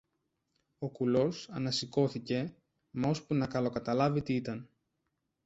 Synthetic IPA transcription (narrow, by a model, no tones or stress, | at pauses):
o̞kulo̞sɐnɐsiko̞θice̞ | mo̞spunɐkɐlo̞kɐt̪ɐlɐvit̪iit̪ɐn